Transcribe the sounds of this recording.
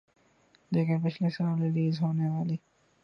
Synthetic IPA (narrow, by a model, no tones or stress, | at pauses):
d̪eːkʰẽpɪt͡ʃʰlesaːlɾɪliːzɦoːneʋaːliː